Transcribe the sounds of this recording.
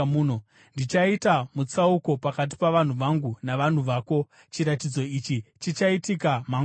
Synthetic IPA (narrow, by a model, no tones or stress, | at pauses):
uːno | ndit͡ʃaitamut͡sauko̞pakat̬i̥paʋan̤uʋaŋɡunaʋan̤uʋaːko̞ | t͡ʃiɾatid͡zo̞it͡ʃit͡ʃit͡ʃaitikama